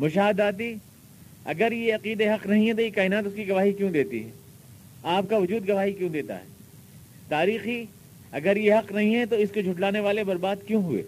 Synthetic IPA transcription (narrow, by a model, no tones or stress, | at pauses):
mʊʃaːɦɪd̪aːt̪̬i | ɐ̰ɡəɾjeɐqiːd̪eɦɐqnɐɦĩɦɛt̪̬ojekaːɪnaːt̪ʊskiɡɐʋaːɦikjõːd̪eːt̪ḭɦɛ̰ː | aːp̚kaʋʊd͡ʒuːd̪ɡɐʋaːɦikjõːd̪eːt̪a̰ɦɛ̰ː | t̪aːɾiːxi | ɐ̰ɡəɾjeɦɐqnɐɦĩɦɛt̪oɪskod͡ʒʱʊʈlaːneʋaːlebɐɾbaːd̪kjõɦʊḛː